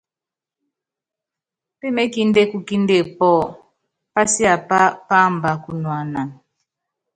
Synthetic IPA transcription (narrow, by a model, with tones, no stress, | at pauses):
pe˦me˦ki˦nde˦ku˦ki˦nde˦˨pɔ˦˨ | pa˦si˦a˨pa˦pa˦m˨ba˨ku˦nwa˨na˨n